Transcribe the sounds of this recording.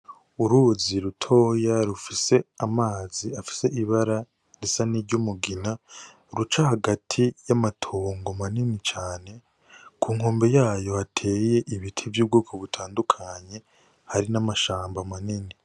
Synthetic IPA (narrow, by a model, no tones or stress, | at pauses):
uɾuːziɾutʰo̞ːjaɾufise̞amaːziafi̥se̞ʔiβaɾa | ɾisaniɾɟumuɡina | ɾut͡ʃahaɡatʰijamatʰoːŋɡomaninit͡ʃaːne̞ | kʰuːŋho̞ːmbe̞jaːjo̞hatʰe̞ːje̞ʔiβitʰivjuːb̚ɡoːkʰoβutʰaːndukʰaɲe̞ | haɾinamaʃaːmbamanini